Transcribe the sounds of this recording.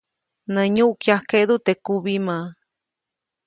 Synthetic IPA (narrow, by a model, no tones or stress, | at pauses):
nə̃ɲũʔkjahkeʔd̪ut̪ekuβimã